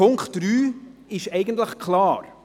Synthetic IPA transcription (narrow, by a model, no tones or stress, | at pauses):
ʊŋkχt̚d̥ɾyːɪʃɛɪɡəntləχkʰlɑːɾ